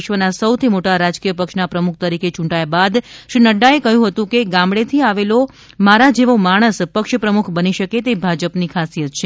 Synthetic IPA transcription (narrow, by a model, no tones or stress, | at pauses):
ʃʋənasəwt̪ʰimoʈaɾad͡ʒkijəpəkʃnapɾəmukʰt̪əɾiket͡ʃũɳʈajabad̪ʃɾinəɖːaekəɦjũɦət̪ũkeɡãmɽet̪ʰiaʋelo | maɾad͡ʒeʋomaɽ̃əspəkʃpɾəmukʰbəniʃəket̪ebʱad͡ʒəpnikʰasijət̪̚t͡ʃʰe